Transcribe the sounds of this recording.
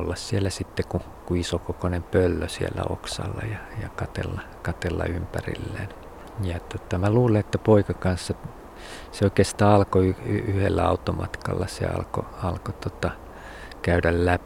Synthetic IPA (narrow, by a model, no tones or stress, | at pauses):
olːɑssielːæsit̪ːeku | kuisokokonempølːøsielːæ̰o̰ksɑ̰lːɑ̰jɑjɑkɑt̪ḛlːɑ | kɑt̪elːɑ̰ympærḭlːḛːn | jɑt̪ot̪ɑmæluːleet̪ːæpoikɑkɑnsːɑ | seoikeːst̪ɑːɑlkoyyhḛlːæɑ̰ut̪ːomɑt̪kɑ̰lːɑsḛɑ̰lko̰ɑlkot̪ot̪ɑ | kæydællæp